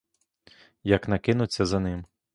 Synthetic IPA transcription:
jɐknɐkɪnʊt͡sʲːɐzɐnɪm

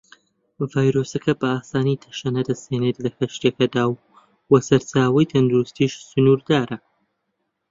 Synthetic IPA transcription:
vaːjɾosɐkʰɐbɐaːsaːnit̪ʰɐ̥ʃɐnɐd̪ɐsheːnet̪lɐxɐʃt̪ekɐd̪aːwː | ɐsɐɾt͡saːwɐjt̪ʰɐnd̪uɾust̪iːʃsʊnuːɾd̪aːɾɐ

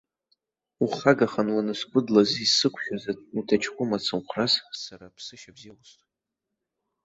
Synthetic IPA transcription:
uχaɡaχanwanɨskʷʼʊdlazisɨkʷʰʃᶣazautʰat͡ʃʰkʷʼʊmat͡sʰɨmχʷrassarapʰsɨʃabziwʊstʼ

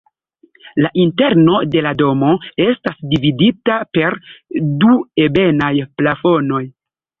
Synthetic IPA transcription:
laʔinte̞ɾno̞de̞lado̞mo̞e̞stasdividitape̞ɾduebe̞najplafo̞no̞j

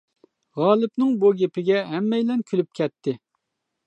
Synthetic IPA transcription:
ʁɑːlˠɪpnɪŋbuɡʲepʰɪɡʲɛɦɛmːɛjlɛnkʲʰylyp̚kʲʰɛt̪ʰːɪ

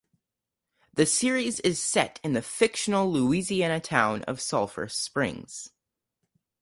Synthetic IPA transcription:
ðɨsɪɹizɪz̥sɛɾɨ̃nðɨfɪkʃn̩l̩ˠluiziænɨtʰãʊ̃nʔʌ̰v̥sʌlˠfə̰˞spɹɪ̰̃ŋz̥

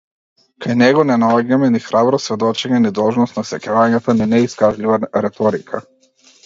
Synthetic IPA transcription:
kajnɛɡɔnɛnalɔɡɛmɛnixɾabɾɔsvɛd̪ɔt͡ʃɛɲɛnid̪ɔlˠʒnɔst̪nasɛkʲɛvaɲat̪aninɛiskaʒlʲivaɾɛt̪ɔɾikʰa̰

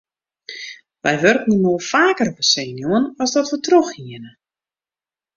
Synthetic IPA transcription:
ʋɛjʋørkninoəlˠfaːkərvəseːnjuənɔsdɔtʋətroxhiənə

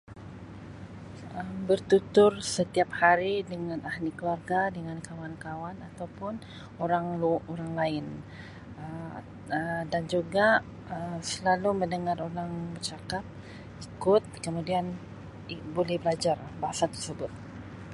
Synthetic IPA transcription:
əmbərt̪ut̪ʊrsət̪iap̚haɾidəŋãnahnikluarɡadəŋankawankawanat̪awpʊn | oɾaŋluoɾaŋlaɪn | ə | ədand͡ʒuɡa | əmsəlaluməndəŋaɾoɾaŋbərt͡ʃakap̚ | ikʊt̪̚kəmũdian | ibolɛhbəlad͡ʒarbaɦasat̪ə̥rsəbʊt̪̚

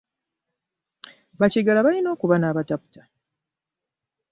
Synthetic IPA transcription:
βaciɡalaβalino̞ːkuβanaːβatapu̥tḁ

